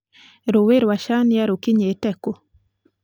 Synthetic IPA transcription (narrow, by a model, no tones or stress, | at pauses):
ɾoweɾwaʃanjaɾokiɲetɛko